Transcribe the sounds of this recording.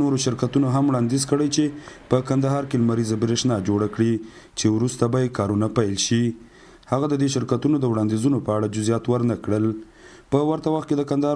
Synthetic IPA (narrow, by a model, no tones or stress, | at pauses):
noɾoʃɪɾkat̪unoɦamwɽɑnd̪izkəɽəjt͡ʃepəkand̪aɦɑɾkelmaɾizabɾeʃnɑd͡ʒoɽakɽi | t͡ʃewɾust̪abɑjekɑɾunapajlʃi | haɣad̪əd̪eʃɪɾkat̪unod̪əwɽɑnd̪izunopəaɽad͡ʒʊzijɑt̪wəɾnakɽəl | pəwaɾt̪awaxt̪ked̪əkand̪ahɑ